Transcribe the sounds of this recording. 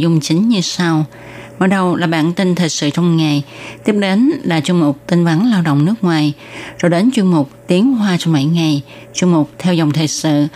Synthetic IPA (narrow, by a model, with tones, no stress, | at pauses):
zʊ˧ŋ͡mt͡ɕï˨˦ŋ̟ɲɨ˧sa˧w | maː˨˩ɗə˧wlaː˨˩ɓaː˧˨nt̪i˧nt̪ʰə˨˩jsɨ̰˧˨t͡ɕɔ˧wŋ͡mŋa˨˩jt̪i˦˥əp̚ɗe˨˦nla̰ː˨˧˥t͡ɕu˧mʊ˨˩k͡p̚t̪i˧ŋva˨˦nlaː˧wɗo̰˧˨wŋ͡mnɨ˦˥ək̚ŋwaː˨˩jzo˧ɗe˨˦nt͡ɕwi˧ənmʊ˨˩k͡p̚t̪i˨˦əŋɦwaː˧t͡ɕɔ˧ŋ͡mma̰˧˩˨jŋa˨˩j | t͡ɕwi˧ŋmʊ˨˩k͡p̚t̪ʰɛ˧wzə˨˩wŋ͡mt̪ʰəː˨˩sɨ̰˧˨